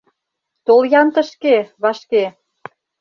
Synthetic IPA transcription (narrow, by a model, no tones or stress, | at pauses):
t̪oljɑnt̪ə̆ʃkeβɑʃke